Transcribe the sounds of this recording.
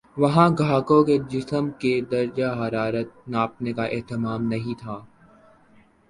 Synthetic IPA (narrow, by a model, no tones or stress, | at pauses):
ʋɐɦãɡʱaːkõked͡ʒɪsəmked̪ɐɾd͡ʒaɦɐɾaːɾət̪̚naːp̚nekaʔɛɦt̪ɪmaːmnɐɦĩt̪ʰaː